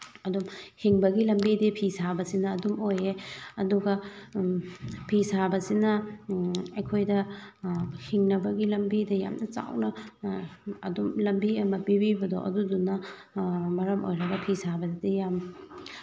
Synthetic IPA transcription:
ɐdumhiŋbɐɡilɐmbidipʰisabɐsinɐːdumojeɐduɡɐ | pʰisabɐsinɐ | ɐjkʰojdɐ | hiŋnɐbɐɡilɐmbidɐja̰mnɐt͡ʃa̰wnɐ | ɐdumlɐmbiɐmɐbibibɐdo̰ʔɐ̰dudunːɐ | mɐɾɐmo̰jɾɐɡɐpʰisabɐdidijam

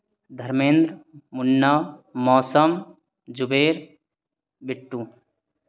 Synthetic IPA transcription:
d̪ʱɐɾmẽːnd̪ɾmunːamɔːsəm | d͡ʒubeːɾ | bɪʈːu

